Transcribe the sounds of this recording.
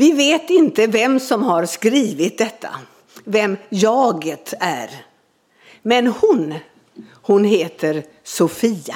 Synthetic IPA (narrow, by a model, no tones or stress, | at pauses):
vɪveːt̪ɪnt̪əvɛmsɔmhaɾskɾiːvɪt̪̚d̪ɛt̪ʰːa̰ | vɛmjɑːɡət̪æ̰ɾ | mɛnhʊn | hʊnɦeːt̪ʰəɾ | sʊfiːa